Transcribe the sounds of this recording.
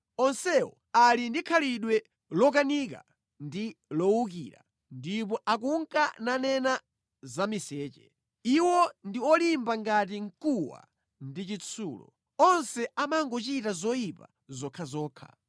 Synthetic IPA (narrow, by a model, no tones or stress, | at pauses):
ɔnsɛwɔ̰ | alindikʰaliɗwɛ | lɔk̬anik̬a̰ | ndilɔwukiɾa̰ | ndip̬ɔʔak̬uŋkananɛna | zamisɛːt͡ʃɛ̰ | iwɔndiwɔlimbaŋɡat̬iŋ̩kuwa̰ | ndit͡ʃit͡sʰṵːlɔ̰ | ɔnsɛamaŋɡɔt͡ʃitazɔjipa̰ | zɔkʰazɔːkʰa̰